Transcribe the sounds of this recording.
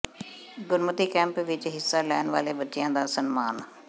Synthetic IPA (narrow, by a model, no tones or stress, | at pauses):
ɡʊɾmət̪iːkɛ̃ːmpʋɪt͡ʃɦɪsːaːlɛːnʋa̰ːleːbətːʃɪjãːd̪aːsənmaːn